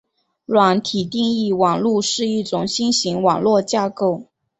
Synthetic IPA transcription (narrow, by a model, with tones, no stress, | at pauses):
lwa˧˥nt̪ʰi˨˩t̪i˥˧ŋi˥˩wɑ˨˩ŋlu˥˧ʂɻ̩˥˧i˥˩ʈ͡ʂʊ˨˩ŋɕi˥nɕi˧˥ŋwɑ˨˩ŋlwɔ˥˧t͡ɕja˥˧ko˥˩ʊ